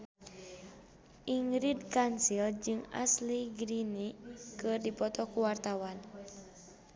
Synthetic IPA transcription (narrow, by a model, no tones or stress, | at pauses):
ʔiŋɾidkansild͡ʒɨŋa̰sliɡɾinikɨrdipɔt̪ɔkuwart̪awan